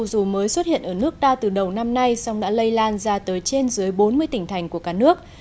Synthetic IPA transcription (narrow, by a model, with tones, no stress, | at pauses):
u˨˩zu˨˩məː˨˦jswə˦˥t̚hḭ˧˨ənʔəː˧˩nɨ˦˥ək̚ɗ̪aː˧t̪ɨ˨˩ɗə˨˩wna˧mna˧jsa˧wŋ͡mɗa̰ː˧˥lə˧jlaː˧nzaː˧t̪əː˨˦jt͡ɕe˧nzɨ˨˦əjɓo˨˦nmɨ˧əjt̪ï˧˩ŋ̟t̪ʰa˨˩jŋ̟ku˧˩əkaː˧˩nɨ˦˥ək̚